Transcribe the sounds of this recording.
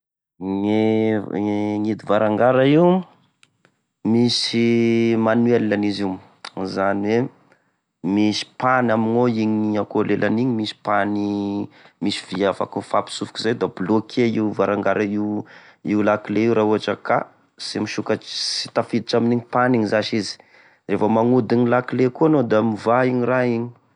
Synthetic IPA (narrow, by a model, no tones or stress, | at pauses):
ŋe | ŋid̪ivaɾaŋɡaɾaiw | misimanwelilaniziw | zaniwe | misi̥panaminoiɲiakolelʔaniɲimisi̥pani | misi̥v̥iafa̰kufapi̥sufu̥kizajd̪ablokʰeiwvaɾaŋɡaɾʔaiwiulakileiwɾauaʈ͡ʂaka̰ | semiʃukasi̥t̪afid̪iʈ͡ʂaminiɲipaniɲizaʃizi̥ | refəmaŋud̪iɲilakilekuanod̪amivaiɲiraiɲi̥